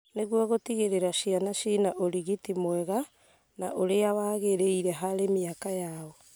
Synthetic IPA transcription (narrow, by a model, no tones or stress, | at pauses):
neɣwaɣotiɣeɾeɾaʃianaʃinaʔoɾiɣitimwɛɣa | naʔoɾeawaːɣeɾeiɾɛɦaɾemiakajaɔ